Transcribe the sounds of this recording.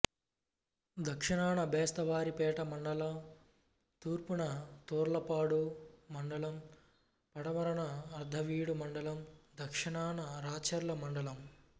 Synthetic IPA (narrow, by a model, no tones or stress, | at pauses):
d̪ʱɐkʂiɳaːɳɐbɛːst̪ɐʋaːɾipɛːʈɐmɐɳɖɐlɐm | t̪uːɾpunɐt̪oːɾlɐpaːɽumɐɳɖɐlɐm | pɐɽɐʋɐɾɐɳɐɐɾd̪ʱɐʋiːɽumɐɳɖɐlɐmd̪ʱɐkʂɐɳaːɳɐɾaːt͡ʃɐɾlɐmɐɳɖɐlɐm